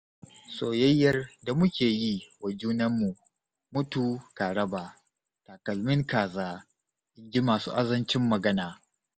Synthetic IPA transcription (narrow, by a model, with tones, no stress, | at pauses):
soː˨jɐ˦jːɐ˦rda˨mʊ˦kʲeː˨ji˦wɐ˨d͡ʒuː˦nɐ˦mːu˨ | mʊ˦tuː˨kaː˨ɽɐ˦baː˨ | ta˨kɐ˨lmɪ˦ŋkaː˨zaː˦ | ʔɪ˦ɡʲi˦maː˨sṵː˦ʔa˦zɐ˦nt͡ʃɪ˦mːɐ˨ɡɐ˦naː˨